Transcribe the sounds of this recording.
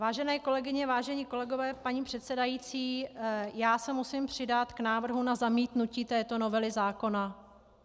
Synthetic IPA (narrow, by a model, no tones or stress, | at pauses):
vaːʒɛnɛːko̞lɛɡɪɲɛvaːʒɛɲiːko̞lɛɡo̞vɛːpaɲiːpr̥ɛt̪sɛdajit͡siːjaːsɛmusimpr̝̥ɪdat̪knaːvr̩ɦunazamiːt̪nuciːt̪ɛːt̪o̞no̞vɛlɪzaːko̞na